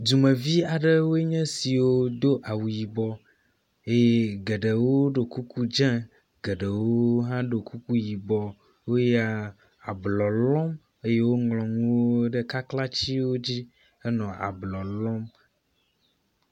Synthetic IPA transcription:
du˨mɛ̃˨vi˦a˨ɖɛ˦wo˦e˦ɲɛ̃˦si˨wo˦d̪o˦ʔa˨wu˨ji˨bɔ˨ | e˦je˦ɡɛ˨ɖe˨wo˦ɖo˨ku˦ku˦d͡ʒɛ̃˦ | ɡe˨ɖɛ˨wo˦ɦã˦ɖo˨ku˦ku˦ji˨bɔ˨ | wo˦ja˦ | a˨blɔ˨lɔ̃˦m | e˦je˦wo˦ŋlɔ̃˨ŋũ˦wo˦ɖe˦ka˦kla˦t͡ɕi˦wo˦d͡ʑi˦ | ɛ˦nɔ̃˨a̰˨blɔ˨lɔ˦m

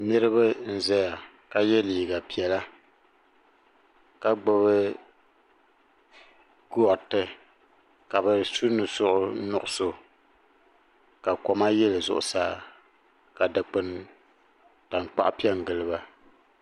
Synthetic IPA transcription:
nɨ˦ɾɨ˦βɨ˦n̩˦zɛ˦ja˨ | ka˨jɛ˦liː˨ɡa˨pi˨ɛ˨la˦ | ka˦ɡ͡bʊ˦βɨ˦ | ɡu˦ɔ˨tɨ˦ | ka˨bɛ˨su˦nɨ˨sʊ˦ʔʊ˦nʊ˨ʔʊ˦so˨ | ka˨kɔ˨ma˦jɛ˦lɨ˨zʊ̰˦ʔʊ˨saː˦˨ | ka˨dɨ˨k͡pɨ˨n | ta˨ŋk͡pa̰˦ʔpi˦ɛ˦ŋ˨ɡɨ˨lɨ˦ba˦

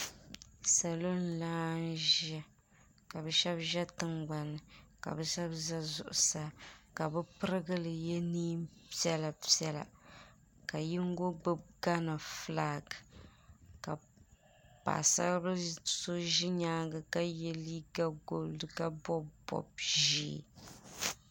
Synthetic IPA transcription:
sa˨lo˦n˦laː˦n˦ʒɛ˦ | ka˨bɛ˦ʃɛ˦bʒɛ˦tɨ˨ŋɡ͡ba˨nɨ˨ka̰˨bɛ˦ʃɛ˦bza˦zʊ̰˨ʔʊ̰˨sa˦ka˨bɛ˦pɨ˦ɾɨ˦ɡɨ˦lɨ˨jɛ˦niː˦mpi˦ɛ˦la˨pi˦ɛ˦la̰˨ | ka˨ji˦ŋ̩˦ɡo˦ɡ͡bɨ˦b̚ɡa˦na˨flaː˦ɡɨ˨ | ka̰˨ | pa̰˨sa̰˦bɨ˦so˦ʒi˦ɲaː˦ɡɨ˨ka˦jɛ˦li˦ɡa˦ɡo˨ldɨ˨ka˦bɔ˦bbɔ̰˨bʒḭː˦˨

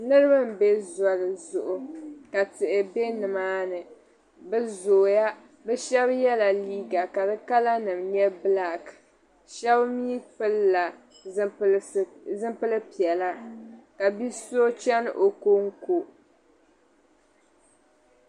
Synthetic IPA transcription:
nɨ˦ɾɨ˦bɨ˦m̩˨be˦zɔ˨lɨ˨zʊ˨ʔʊ˨ka˨tɨ˨ʔɪ˨be˦nɨ˨maː˦nɨ˨ | bzo˨ja˦ | bɛ˦ʃɛ˦bjɛ˦la˨liː˦ɡa˨ka˨dɨ˦ka˦la˦nɨ˨mɲɛ˦bla˨k | ʃɛ˦bmiː˦pɨ˦lːa˨˦ | zɨ˦mpɨ˦lɨ˦pi˨ɛ˨la˦ka˨bi˦so˦t͡ʃɛ˦n̰˦ʔo˨ko˦ŋ˦ko˨

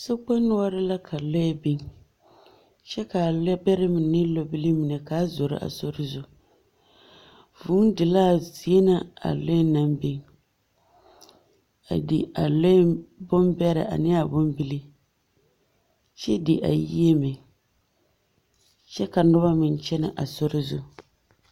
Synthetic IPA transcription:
so˦k͡pe˦nʊ˦a˦ɾɪ˦la˦kʰa˨lo˦ɛ˦bɪ˦ŋ | t͡ʃɛ˦ka˨lbɛ˦ɾɪ˦mɪ˨nɪ˦lo˦bi˦li˦mi˨nɛ˨ka˨˦zo˨ɾɪ̰˦ʔa̰˨so˦ɾɪ˦zʊ˨ | vuː˨˦n˦dɪ˨laː˦zi˦e˦na˦a̰˨lo˦ɛ˦na˨mbi˦ŋ | a̰˨di˨a˨lo˦bʊ˦mbɛ˦ɾɪ̰˨ʔa̰˨nɪ˦a˨bʊ˦mbi˦li˦ | t͡ʃɛ˦di˨ʔa̰˨jḭ˦e˦mɪ˨ | t͡ʃɛ˦ka˨nʊ˦βa˦mɪ˨n˦t͡ʃɛ˦nɪ̰˨ʔa˨so˦ɾɪ˦zʊ˦

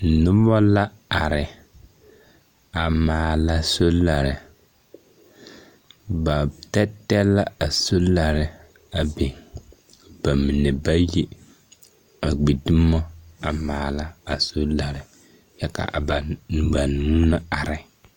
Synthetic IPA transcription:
nʊ˦bɔ˦la˦ | a˨ɾɪ˨ | a˨maː˨la˦so˦la˨ɾɪ˨ | ba˨tɛ˦tɛ˦lːa˦a˨so˦la˨ɾɪ˨ | a˨be˨ | b̥a˨mi˨nɛ˨ba˦ji˦ | a˨ɡ͡bi˨dʊ˦mɔ˦a˨maː˨la˦a˨so˦la˨ɾɪ˨ | jɛ˦ka̰˨ba˨ba˨nu˦na˦a˨ɾɪ˨

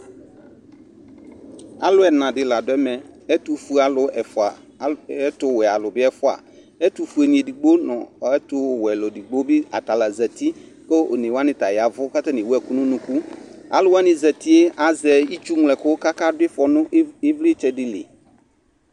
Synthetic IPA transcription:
a˨lʊ˦ɛ˨nã˨dɪ˨la˨dʊ˦ɛ˦mɛ˨ɛ˦tu˨fu˦a˨lʊ˨ɛ˨fʊ˨a˨ | ɛ˦tʊ˨wɛ˨a˨lʊ˨bɪ˦ɛ˦fʊ˦a̰˨ | ɛ˦tu˨fu˨ɛ˨nĩ˨e˨di˨ɡ͡bo˦nɔ̃˨ɛ˦tʊ˨wɛ˨lɔ˨di˨ɡ͡bo˦bɪ˦a˨ta˨la˨zɛ˨ti˦ | ke˦o˨nẽ˨wa˦nɪ̃˨ta˨jɪ˨a˨vʊ˦ka˦ta˦n˨wɛ˨ku˦nʊ̃˦nũ˨ku˦a̰˨lʊ˦wa˦nɪ̃˨zɛ˨ti˦e˦a˨zɛ˨i˦t͡ʃu˦ŋlɛ˨kʊ˦ka˦ka˦dʊ˦ɪ˦fɔ˨nʊ̃˦ʔe˦vli˦t͡ʃɛ˨dɪ˦lɪ̰˨

